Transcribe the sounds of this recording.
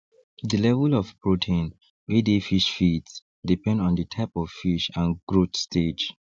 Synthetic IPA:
dəlɛvəlɔvpɹotʰẽn | wedefiʃfits | dipɛ̃ndɔ̃ndətʰaɪpɔvfiʃãnɡɹotstʰed͡ʒ

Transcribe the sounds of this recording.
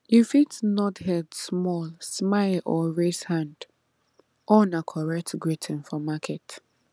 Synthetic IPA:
jifitnɔthɛdsmɔlsmaɪlʔɔɹeshãnd | ʔɔnakʰɔɹɛk̚tɡɹitʰɪ̃nfɔmakʰɛt

